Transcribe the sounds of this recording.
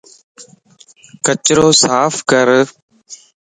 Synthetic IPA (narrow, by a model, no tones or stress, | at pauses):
kət͡ʃɾoːsaːfʰkəɾ